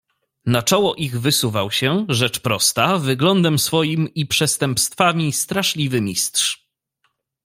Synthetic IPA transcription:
nat͡ʂɔwɔʔiɣvɘsuvawɕɛʐɛt͡ʂpɾɔst̪avɘɡlɔnd̪ɛmsfɔjimipʂɛst̪ɛmpst̪famʲist̪ɾaʂlʲivɘmʲist̪ʂ

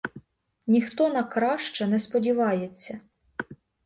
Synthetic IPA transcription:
nʲixt̪ɔnɐkɾɑʃt͡ʃɐnɛspɔdʲiʋɑjet͡sʲːɐ

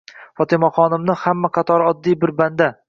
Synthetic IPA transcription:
fɒt̪ʰɪmaχɒnɪmnɪhamːaqʰɑt̪ʰɒɾɒd̪ːijbɪɾband̪a

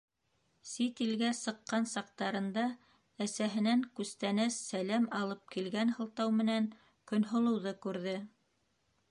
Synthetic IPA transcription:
sit̪ilɡæsɤ̆qːɑnsɑq̚t̪ɑɾɤ̆nd̪ɑ | æsæɦɘ̆næŋkʉst̪ænæsːælæmɑlˠɤp̚kilɡænɦɤ̆lˠt̪ɑwmɘ̆næŋ | kɵ̆nɦŏlˠɤ̆wðɤkʉɾðɘ

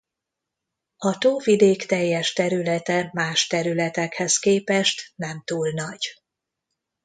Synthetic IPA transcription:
ɒt̪oːvid̪eːkt̪ɛjːɛʃt̪ɛɾylɛt̪ɛmaːʃt̪ɛɾylɛt̪ɛkhɛskeːpɛʃt̪nɛmt̪uːlnɒɟ̥

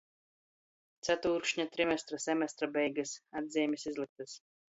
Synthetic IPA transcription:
t̪sʲæt̪uːɾkʃɲat̪ɾimʲɛst̪ɾasʲɛmʲɛst̪ɾabʲɛjɡɨsad̪ʲzʲɛːmʲisizlˠɨk̚t̪ɨs

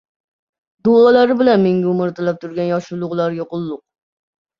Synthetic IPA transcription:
d̪oɑlˠɑɾɪbɪlɛnmeŋɡʲɛʊmɪɾt̪ʰɪlɛp̚t̪ʰuɾɡʲɛnjɑʃulˠʊʁlˠɑɾɡʲɛqolˠːʊq̚

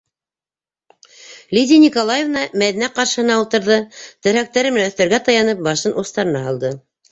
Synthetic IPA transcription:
lʲid̪ʲinʲikolˠajevnɑmæðinæqɑɾʃɤ̆hɤ̆nɑulˠt̪ɤ̆ɾðɤt̪ɘ̆ɾæk̚t̪æɾɘmɘnæɵ̆θt̪æɾɡæt̪ɑjɑnɤp̚bɑʃɤnʔust̪ɑɾɤ̆nɑɦɑlˠd̪ɤ

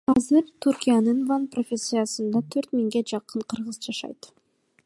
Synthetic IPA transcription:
ɑzɨɾt̪ʰurkʲijanɯnvanprofʲesʲːɨjasɯnd̪ɑt̪ʰøɾt̪miŋɡe̞d͡ʒɑqɯɴqʰɯɾʁɯzd͡ʒɑʃɑ̰jt̪

